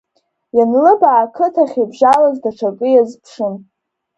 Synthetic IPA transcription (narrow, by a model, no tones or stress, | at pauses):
janlɨbaːkʰɨtʰaχʲibʒalazdaʈ͡ʂʰakʼɨjazpʰʂɨn